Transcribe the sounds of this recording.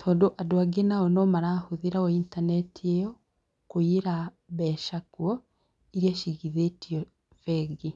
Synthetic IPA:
tʰɔːdoʔadoaɡenaɔnɔmaɾahuðiɾaɔintanɛtʰiejɔ | kuiɾa | βɛʃakwɔ | iɾiaʃiɣiðetiɔ | vɛɡi

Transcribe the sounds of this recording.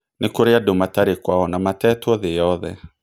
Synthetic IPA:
nekoɾeadomataɾekwaɔnamatɛːtwɔðejɔðɛ

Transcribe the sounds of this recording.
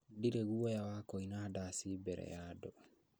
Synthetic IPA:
diɾeɣujawakoinadasibɛɾɛ̰jadɔ

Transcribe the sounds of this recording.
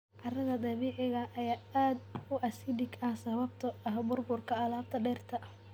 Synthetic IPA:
ʕɑrɐðɐd̪ɑβiːʕɪɣɐʔɐjaːaːd̪ʊʔɐsɪdɪɡɐhsɐβɐb̚t̪ʰɔɐɦbʊrbʊrkʰɐɐlaːb̚t̪ʰɐɖɛːrt̪ʰɐ

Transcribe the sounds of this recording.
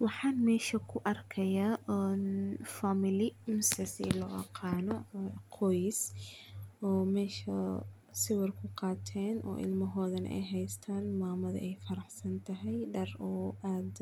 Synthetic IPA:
wɑħɑːnmɛːʃɐkʰʊʔɐrkʰɐjaːʔnfamɪlɪmsɐsḭlɔːʔɐ̰qʰɑːnɔqʰɔjs | ɔːmɛːʃɐ | sɪwɐrkʰʊqɑːt̪ʰɛːnʔɔ̰ːʔɪ̰lmɐɦɔːðɐnɐ̰ʔɛ̰jɦɛjst̪ʰaːnmaːmɐðɐ̰ʔɛjfɐɾɐħsɐnt̪ʰɐɦɛjɖɐrɔːʔaːd̪

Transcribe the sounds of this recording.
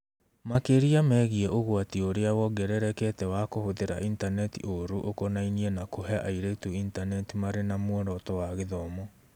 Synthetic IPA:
makeɾiamɛɣiɛʔoɣoatioɾeawɔɡɛɾɛɾɛkɛtɛwakohoðeɾa̰ʔintanɛtḭʔoɾuʔokonainiɛnakoɦɛaʔaiɾetuintanɛtimaɾenamwɔɾɔtɔwaɣeðɔmɔ

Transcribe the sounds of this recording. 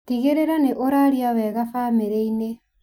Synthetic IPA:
tiɣeɾeɾaneʔoɾaɾiawɛɣafameɾeine

